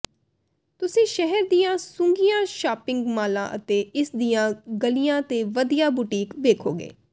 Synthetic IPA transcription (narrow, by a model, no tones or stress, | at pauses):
t̪ʊsĩːʃɛɦɛɾd̪ijãːsʊ̃ŋɡijãːʃaːpɪ̃ŋɡmaːlã̰ːʔə̰t̪eːɪsd̪ijãːɡəlijãːt̪eːʋəd̪ijaːbuʈiːkʋeːkʰoːɡḛː